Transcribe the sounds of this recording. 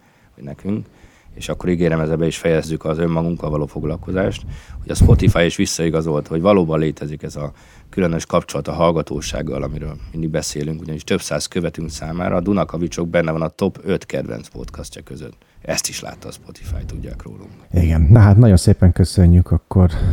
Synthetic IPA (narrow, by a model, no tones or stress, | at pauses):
hoɟnɛkyŋk | eːʃɒkːo̞ɾiɡeːɾɛmɛzɛbɛiʃfɛjɛzːykɒzø̞mːɒɡuŋkɒvɒloːfo̞ɡlɒlko̞zaːʃt̪ho̞ɟɒspo̞t̪ifaːjeʃʋisːɒiɡɒzo̞lt̪ho̞ɟvɒloːbɒnleːt̪ʰɛzikɛzɒ | kylønø̞ʃkɒpt͡ʃo̞lɒt̪ɒɦɒlɡɒt̪o̰ːʃa̰ːɡːɒ̰lɒmiɾøːlmind̪iɡ̚bɛseːlyŋkuɟɒniʃt̪ø̞psaːzkøvɛt̪yŋksaːma̰ːɾʔɒːd̪unɒkɒvit͡ʃo̞ɡ̚bɛnːɛvɒnɒt̪o̞pø̞t̪kɛ̰d̪vɛ̰nt̪spo̞̰t̪kɒscɒkø̞zø̰t̪ː | ɛst̪iʃla̰ːt̪ːɒːspo̞t̪ʰi̥fa̰ːjt̪uɟːa̰ːkro̰ːlṵŋkiɡɛnnɒɦaːt̪nɒɟonseːpɛŋkøsøɲːykɒkːor